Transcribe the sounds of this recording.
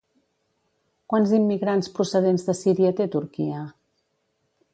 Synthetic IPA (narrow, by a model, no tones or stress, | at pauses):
kwanzimːiɣɾanspɾusəð̞enzðəsiɾiət̪et̪uɾkiə